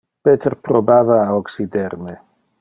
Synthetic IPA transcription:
pet̪erpɾobaːvaːoksid̪eɾme

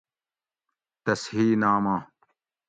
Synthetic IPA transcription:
t̪ɐshiːnaːmaː

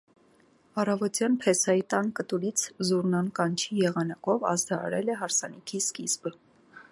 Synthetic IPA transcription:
ɑrɑvɔt̪jɑnpʰɛsɑjit̪ɑnkət̪uɾit͡sʰzuɾnɑnkɑnt͡ʃʰijɛʁɑnɑkɔvɑ̰zd̪ɑɑ̰ɾɛ̰lɛɦɑɾsɑnikʰiskizbə

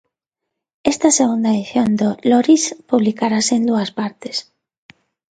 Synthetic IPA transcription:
ɛst̪ɐseɣund̪ɐeðiθjond̪oloɾispuβlikaɾaseend̪uɐspaɾt̪e̥s

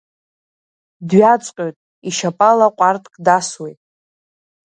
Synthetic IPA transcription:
dɥat͡sʷʼqʲʼotʼ | iʃapʼalaqʷʼartʼkʼdaswejtʼ

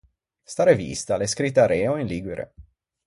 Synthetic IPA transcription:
st̪aːɾevḭst̪aleskɾit̪̬ːaɾeoinliɡiɾḛ

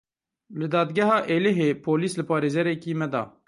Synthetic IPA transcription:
lɨd̪ɑːd̪ɡɛɦɑːʔeːleɦeːpʰoːliːslɨpʰɑːɾeːzɛɾɛkiːmɛd̪ɑ̰ː

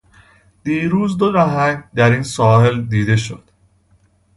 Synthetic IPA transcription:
d̪̥iːɾuːzd̪oɾæɦæŋd̪æɾiːnsɔːɦeld̪iːd̪e̞ʃo̰d̪̥

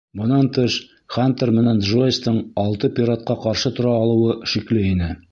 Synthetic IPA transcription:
bŏnɑnt̪ɤʃ | χant̪ermɘ̆nænʒojst̪ɤɴɒlˠt̪ɤpʲɪɾat̪̚qɑqɒɾʃɤt̪ŏɾɑːlˠɤ̆wɤʃiklɘinɘ

